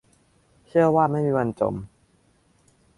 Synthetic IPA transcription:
t͡ɕʰɯ˥˩əwaː˥˩ma˥˩jmiː˧wa˧nt͡ɕo̰˨˩m

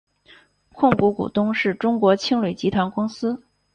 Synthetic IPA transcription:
kʰʊ˥˩˧ŋku˧˥kṵ˨˩t̪ʊ˥ŋʂɻ̩˥˩ʈ͡ʂʊ˥ŋkwɔ˧˥t͡ɕʰi˥ŋlwe˨˩t͡ɕi˧˥t̪ʰwa˧˥nkʊ˥ŋsɹ̩˥

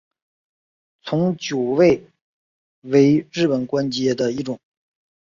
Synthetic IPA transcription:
t͡sʰʊ˧˥ŋt͡ɕjo˨˩ʊwe˥˩ɪ | we˧˥ɪɻɻ̩˥˩pə˨˩nkwa˥nt͡ɕjɛ˥d̪ə˨i˧˥ʈ͡ʂʊ˨˩˦ŋ

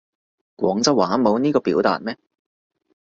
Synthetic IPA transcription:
kʷɔː˨˥ŋt͡sɐ˥waː˨˥mo˨˧wniː˥kɔː˧piː˨˥wt̪a̰ː˨t̚mɛː˥

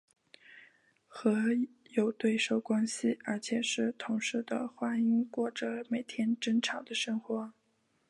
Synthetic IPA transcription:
xɤ˧˥jo˨˩ʊt̪we˥˩ɪʂo˥˩ʊkwa˥nɕi˨ə˞˧˥t͡ɕʰjɛ˨˩ʂɻ̩˥˩t̪ʰʊ˧˥ŋʂɻ̩˥˩d̪ə̰˩xwa˥i˥ŋkwɔ˥˩ʈ͡ʂə˩me˨˩ɪt̪ʰjɛ˥nʈ͡ʂə˥nʈ͡ʂʰɑ˨˩ŋd̪ə˧ʂɤ˥ŋxwɔ˧˥

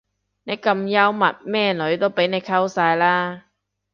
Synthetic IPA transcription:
ne˨˧jkɐ˧mjɐ˥wmɐ˨t̚mɛː˥˩nɵ˨˥ɥt̪o˥wpe˨˥jne˨˧jkʰɐ˥wsaː˧jlaː˥

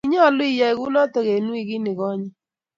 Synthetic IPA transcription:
i˦ɲɔ˦˨lʊ˦i˦˨ja˦ɪ˨ɣu˦nɔ˦tɔ˨ɣe˨nwi˦ɣi˦nɪ˨ɣɔ˦ɲi˦

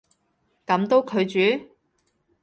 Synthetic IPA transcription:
kɐ˨˧˥mt̪o˥wkʰɵ˨˧ɥt͡ʃyː˨˥

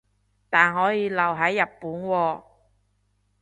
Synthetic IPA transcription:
t̪aː˨nɦɔː˨˥jiː˨˧lɐ˨˩wɦɐ˨˥jːɐ˨pːuː˨˥nwɔː˧

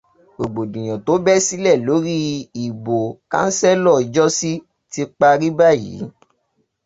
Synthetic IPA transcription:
ɡ͡bo˨ɡ͡bo˨dũ˨j̃ã˨to˨˦bɛ˦si˦lɛ˦˨lo˨˦ɾi˦i˨bo˨kã̰˦n̩˦sɛ˦lɔ˦˨˧d͡ʒɔ˦si˦ | ti˧k͡pa˧ɾi˦ba˦˨jḭ˨˦

